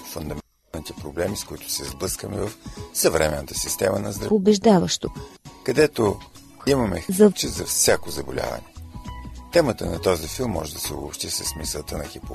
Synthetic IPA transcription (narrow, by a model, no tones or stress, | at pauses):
fʊnd̪ɐmɛnt̪anit̪ɛpɾoblɛmiskʊit̪ʊ̥sɛzblˠɤskəmɛvəfsɐvɾɛmɛnːət̪ə̥sist̪ɛmənɐzd̪ɾobɛʒd̪avəʃt̪okɐd̪ɛt̪o | imɐmɛ̰zɐt͡ʃ̪izɐfsʲakozɐbolʲa̰vɐ̰nɛ | t̪ɛmət̪ənɐt̪ɔzifilˠmːɔ̰ʒɛd̪ɐsɛo̰bopʃt̪isəsmisəlˠt̪ənɐxipo